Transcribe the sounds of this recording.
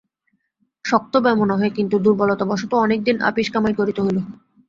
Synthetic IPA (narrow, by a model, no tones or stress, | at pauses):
ʃɔk̚t̪obamonaɦɔekint̪ud̪uɾbɔlot̪abɔʃot̪oɔnek̚d̪ina̰piʃkamajkoɾit̪oɦolo